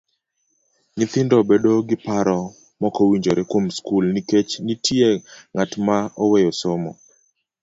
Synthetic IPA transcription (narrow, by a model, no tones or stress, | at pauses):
ɲɪt̪ɪndɔbedoɡɪpaɾɔ | mɔkɔwiɲd͡ʒoɾɛkwomskulniket͡ʃnitʰjeŋatmaɔwejɔsomɔ̰